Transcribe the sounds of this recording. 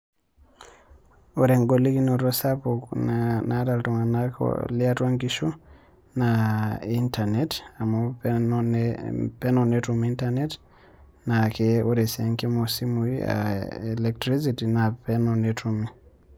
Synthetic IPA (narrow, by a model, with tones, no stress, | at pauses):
o˨ɾɛ˨ŋɡɔ˨li˦ki˦nɔ˨ɾɔ˦sapuknata˨ltɔ˨ŋa˨nakɔ̰lia˦twa˦ŋkiʃu˦ | naintʰa˨nɛta˨mɔ | pɛ˦nɔnetumi˦ntanɛ˦t | na˨keo˦ɾɛ˨sɛ˨ŋki˦mɔsi˦mu˨ḭa̰ɛlɛk̚tɾi˦siti˨na˨pɛnɔnetʰumi˦